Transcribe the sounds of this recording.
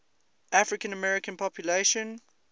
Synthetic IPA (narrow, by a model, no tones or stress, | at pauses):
ʔafɹɪkə̃nəmɛɹɪkə̃npʰɔpʰjuleʃə̃n